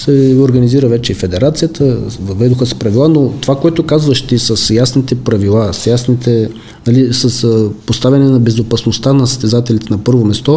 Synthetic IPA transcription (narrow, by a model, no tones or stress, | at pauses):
sɛoɾɡɐniziɾəvɛt͡ʃɛifɛd̪ɛɾat̪sijət̪ʰəvɐvɛd̪oxəsɛ̥pɾɐvilˠanot̪ovakoɛt̪okazvəʃt̪isəsjasnit̪ɛpɾɐvilˠasjasnit̪ɛ | nɐlisəspost̪avʲɐnɛnɐbɛzopɐsnost̪anɐsə̥st̪ɛzat̪ɛlit̪ɛnɐpɤɾvomɛst̪ɔ